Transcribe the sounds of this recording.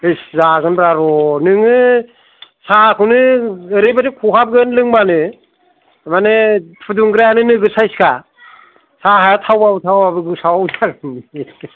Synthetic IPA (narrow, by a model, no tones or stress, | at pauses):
ɯjszaɡɯnbɾaɾɔnɯŋɯ | sakʰɯwnɯɯɾebaɾikʰuɦab̚ɡɯnlɯŋbanɯ | manɯpʰɯduŋɡɯɾanɯnɯɡɯsajska | saɦajatʰawbabɯtʰawbabɯɡɯsawawzaɡɯni